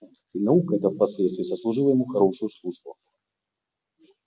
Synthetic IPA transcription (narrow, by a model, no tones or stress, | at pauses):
inaukɛt̪ɐwpasʲlʲɛt̪st̪vʲizɐslˠuʐɨlˠɐjamuxaɾɔʂʊjuslˠuʐbṵ